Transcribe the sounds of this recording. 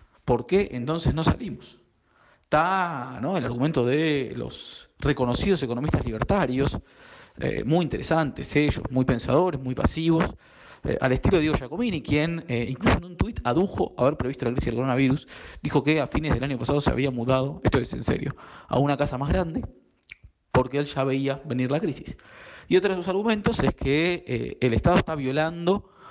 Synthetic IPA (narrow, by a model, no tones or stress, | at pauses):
po̞ɾkeʔent̪o̞nsesno̞sa̰limos | t̪ano̞elaɾɣument̪o̞ðelo̰sreko̞no̞sið̞o̞sekono̞mist̪azliβ̞eɾt̪aɾjo̞s | ḛmujint̪e̞ɾʔesant̪ḛseʒo̰smujpe̞nsa̰ð̞o̞ɾezmujpa̰siβo̞s | ḛʔa̰lest̪iloðiɣoʃako̞minikjeniŋklusoenũnt̪wit̪aðuxo̞aβeɾpɾe̞βist̪olakɾisizðelkoɾonaβiɾusd̪ixo̞keafinezðelaɲjo̞pasað̞o̞sea̰β̞iamuðað̞o̞est̪oesḛnsḛɾjo̞̰a̰unakasamazɣɾand̪e | po̞ɾkeelʒaβe̞iaβe̞niɾlakɾisi̥sio̞t̪ɾaðesosaɾɣumẽ̞nt̪o̞seskʰḛː | lest̪aðoest̪aβjo̞land̪o̞